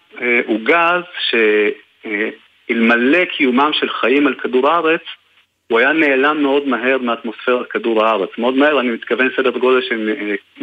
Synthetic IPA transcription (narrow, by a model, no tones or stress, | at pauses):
eʔuɡazʃe̞ | ilmale̞kʰijumamʃelχaimalkaduʁaʁe̞t͡s | uajane̞ːlamːe̞o̞dmaɦe̞ʁmeat̪mo̞sfeʁakaduʁaaʁet͡smeo̞dmahe̞ʁanimit̪kave̞nsedeʁɡo̞leʃem